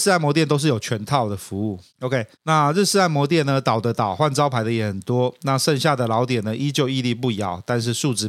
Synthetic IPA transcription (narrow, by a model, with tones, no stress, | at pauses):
s̩˥a˥˩ɪmwɔ˧˥t̪̬jnt̪o˥ʊʂ̬ɻ̩˥˨jo˨˩ʊt͡ɕʰɥɛ˧˦nt̪ʰɑ˥˩ʊd̪ə˩fu˧˦u˥˩ | o˧ʊkʰe˥ɪna˥˧ɻ̩˥˧sɻ̩˥˧a˥˩ɪmwɔ˧˥t̪̬jɛ˥˩nnə˩t̪ɑ˨˩ʊd̪ə˦t̪ɑ˨˩ʊxwa˥˩nʈ͡ʂɑ˥ʊpʰa˧˥ɪd̪ə˧jɛ˨˩xə˨˩nt̪wɔ˥na˥˨ʂə˥˧ŋɕja˥˩d̪ə˩lɑ˧˦˥ʊt̪̬jɛ˨˩nə˦ʔi˥t͡ɕjo˥˧ʊi˥˧li˥˧pu˥˩jɑ˨˩˦ʊt̪a˥˧nʂ̬ɻ̩˥˧ʂu˥˧ʈ͡ʂɻ̩˧˩